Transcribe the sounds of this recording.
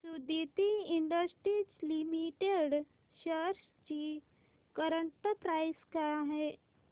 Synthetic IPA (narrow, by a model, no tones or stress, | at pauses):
sud̪it̪iiɳɖəsʈɾit͡ɕlimiʈeɽ | ɕəɾs | t͡ɕi | kəɾəɳʈəpɾajskaɦɛ